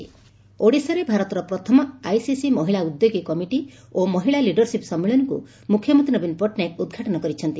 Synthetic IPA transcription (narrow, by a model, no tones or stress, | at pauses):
oɽisɔɾebʱaɾɔt̪ɔɾɔpɾɔt̪ʰɔmɔajsisimɔɦiɭaud̪joɡikɔmiʈi | omɔɦiɭaliɖɔɾsipsɔmːeɭɔnɔkṵ | mukʰːjɔmɔnt̪inɔbinpɔʈnakud̪ɡʱaʈɔnɔkɔɾit͡ʃʰɔnt̪i